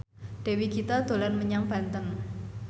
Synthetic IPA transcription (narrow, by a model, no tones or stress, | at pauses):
ɖ̪̥e̤wikit̪ad̪̥o̤lanməɲaŋb̥a̤nt̪ən